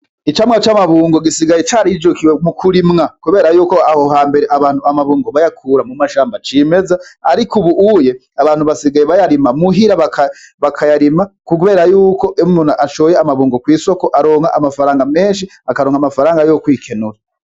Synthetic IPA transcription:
it͡ʃamŋat͡ʃamaβuːŋɡoɡisiɡajet͡ʃaɾid͡ʒokiwemukʰuɾimŋakuβe̞ːɾajuːkoahoɦaːmbe̞ɾeʔaβaːn̥huamaβuːŋɡoβajakʰuːɾamumaʃaːmbat͡ʃiːme̞zaaɾikuβuʔuje̞ | aβaːn̥huβasiɡajeβajaɾimamuɦiɾaβakʰaβakʰajaɾimakuβe̞ːɾajuːko̞ʔmunaʔaʃoːjeamaβuːŋɡokwiːso̞ko̞ʔaɾo̞ːŋhaʔamafaɾaːŋɡame̞ːnʃ̬i | akaɾoŋɡamafaɾaːŋɡajokwiːkʰe̞nuɾa

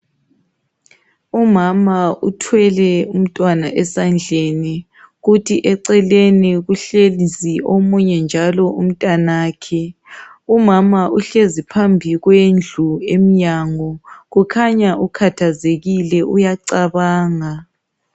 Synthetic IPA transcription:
umamautʰwɛlɛum̩tʼwanaʔɛsand͡ɮʱeni | ɣutʰiʔɛǀɛleniɣuɬelisiʔomuɲɛnd͡ʒʱalɔum̩tʼanaːkʰɛ | umamaʔuɬezipʰambʱiɣwend͡ɮʱuemiɲaŋɔɣukʰaɲaʔukʰatʰazeɣilɛʔujaǀaβaːŋa

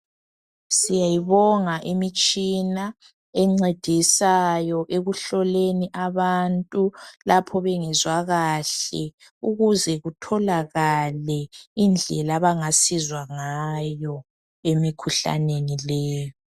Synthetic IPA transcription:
sijajiβɔŋaʔimit͡ʃʼina | ɛŋ͡ǀed̥ʱisajɔʔeɣuɬɔleniʔaβantʼulapʰɔβɛŋɛzwaɣaɬɛ | uɣuzɛɣutʰɔlaɣalɛind͡ɮʱɛlaβaŋasizwaŋajɔ | emikʰuɬa̰nenilɛːjɔ

